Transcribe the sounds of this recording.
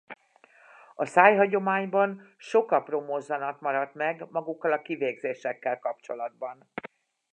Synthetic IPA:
ɒsaːjɦɒɟo̞maːɲbɒnʃo̞kɒpromozːɒnɒt̪mɒɾɒt̪mɛɡmɒɡukːɒlɒkiveːɡzeːʃɛkːɛlkɒpt͡ʃo̞lɒd̪̚bɒn

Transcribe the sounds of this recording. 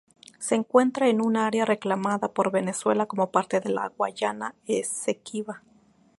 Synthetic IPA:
se̞ːŋkwe̞nt̪ɾaenunaaɾjare̞klamaðapo̞ɾβe̞ne̞swe̞lako̞mo̞paɾt̪e̞ðe̞la̰ɣwa̰ʝanaesekiβa

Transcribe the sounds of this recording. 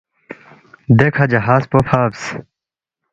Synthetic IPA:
d̪ekʰɐd͡ʑɐɦaːspofʰaːbs

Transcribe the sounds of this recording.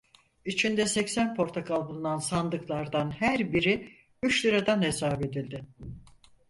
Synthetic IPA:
it͡ʃʰind̪ɛsɛcsænpʰo̞ɾt̪ʰokʰalˠbulˠunansand̪ɯklˠaɾd̪anhæɾbiɾi | yt͡ʃlʲˠiɾad̪anesaːbe̞d̪ilʲd̪ɪ

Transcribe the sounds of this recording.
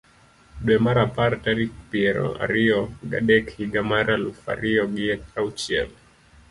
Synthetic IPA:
ɗwɛmaɾapaɾtaɾik̚piɛɾɔ̰a̰ɾiɔɡa̰ɗɛkhiɡamaɾalufa̰ɾiɔɡiɛtaut͡ʃiɛ̰l

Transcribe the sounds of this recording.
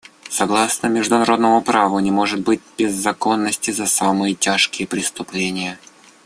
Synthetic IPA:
sɐɡlˠasnəmʲɪʐd̪ʊnɐɾo̞d̪nəmʊpɾavʊnʲɪmo̞ʐɨt̪̚bɨt̚ʲb̥ʲɪzːɐko̞nːəsʲtʲɪzɐsamɨjətʲaʂkʲɪjəpɾʲɪst̪ʊplʲenʲɪjə

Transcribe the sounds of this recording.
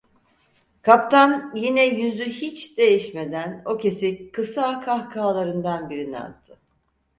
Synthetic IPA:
kʰapt̪ʰanjinɛjyzyhit͡ʃd̪̥e̞jiʃme̞d̪æno̞ce̞sikʰɯsakʰahkʰaːlˠaɾɯnd̪anbiɾina̰t̪ʰːɯ

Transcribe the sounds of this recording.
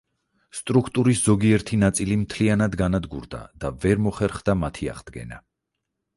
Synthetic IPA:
st̪ʼɾukʰt̪ʼuɾisz̥ɔɡiɛɾt̪ʰinat̪sʼilimt̪ʰlianad̪ɡanad̪ɡṵɾd̪a̰d̪̥avɛɾmɔχɛɾχd̪amat̪ʰia̰ʁd̪ɡɛ̰na̰

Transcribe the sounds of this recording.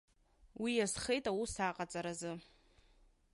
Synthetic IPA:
wijazχejtʼawusaqʼat͡sʼaɾazɨ

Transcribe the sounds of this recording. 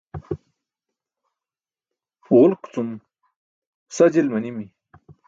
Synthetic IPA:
ʁʊlkt͡sum | sad͡ʑilmanimi

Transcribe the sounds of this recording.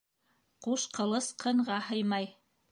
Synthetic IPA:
quʃqɤ̆lˠɤsqʰɤ̆ɴʁɑhɤjmɑj

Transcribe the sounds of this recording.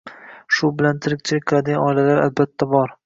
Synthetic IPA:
ʃʊbɪlant̪ʰɪɾɪkʲt͡ʃʰɪlɪk̚ʲqʰɨlad̪ɪɡʲanɒɪlalaɾa̰lbat̪ʰːabɒɾ

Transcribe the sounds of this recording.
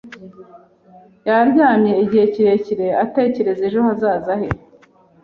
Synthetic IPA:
jaɾɟaːmje̞iɟiheciɾe̞ciɾe̞ate̞ːce̞ɾe̞zeʒoɦazaːzahe

